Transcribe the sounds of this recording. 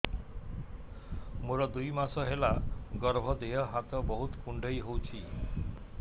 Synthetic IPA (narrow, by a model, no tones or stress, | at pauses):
moɾɔd̪ujmasɔɦelaɡɔɾbʱɔd̪eɦɔɦat̪ɔbɔɦut̪kuɳɖʱʌjɦowt͡ʃʰi